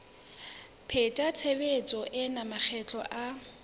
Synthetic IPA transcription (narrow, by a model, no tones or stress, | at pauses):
pʰetʼat͡sʰebet͡sʼɔʔɪnamak͡xʰɛt͡ɬʼɔʔa